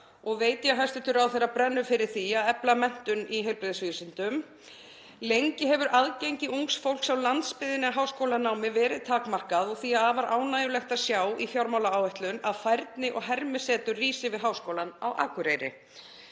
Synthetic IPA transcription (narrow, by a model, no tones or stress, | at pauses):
ɔɣveːjt̪jaɦajst̪ɪt̪ʏɾawθejɾapɾɛnːʏfɪɾɪɾ̥θiaðɛplamɛn̥t̪ʏniɦɛjlpɾeðsvisɪnt̪ʏm | lejɲcɪɦɛvʏɾʔaðcejɲcɪuŋksfowl̥ksawlant̪spɪðɪnɪaɦaːwskowlanaːwmɪvɛːɾɪðt̪ʰaːkmar̥kaðɔɣθiaaːvaɾʔa̰ːwnaːjʏlɛxt̪aðsjaːwifjawɾmawlaaːwvɛht̪lʏnaðfajɾt̪nɪʔɔɣɦɛɾmɪsɛːt̪ʏriːsɪvɪðɦaːwskoːwlanawʔa̰ːkʏɾeːjɾɪ̰